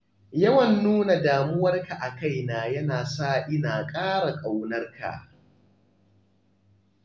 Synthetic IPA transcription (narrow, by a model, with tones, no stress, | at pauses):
jɐ˦wɐ˨nːuː˦na˨daː˨mʊ˦wɐ˦rka˨ʔa˨ka˦jnaː˨jɐ˦naː˨saː˦ʔɪ˦naː˨kʼaː˦ɽa˨kʼa˨wnɐ˦rka̰˨ʔ